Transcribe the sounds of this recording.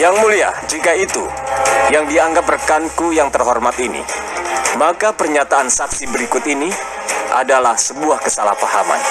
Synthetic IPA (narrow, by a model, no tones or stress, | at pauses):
jaŋmulia̰d͡ʒikait̪ṵjaŋdiaŋɡap̚rəkankujaŋt̪ərɦɔrmat̪inḭ | makapərɲat̪aansaksibəɾikʊt̪ini | ʔa̰dalahsəbuahkəsala̰hpaha̰ma̰n